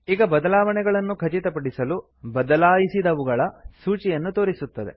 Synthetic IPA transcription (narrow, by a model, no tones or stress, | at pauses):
iːɡɐbɐd̪ɐlaːʋɐɳɛɡɐɭɐnːukʰɐt͡ʃit̪ɐpɐɽisɐlu | bɐd̪ɐlaːjisid̪ɐʋuɡɐɭɐsuːt͡ʃijɐnːut̪o̞ːɾisut̪ːɐd̪e̞̰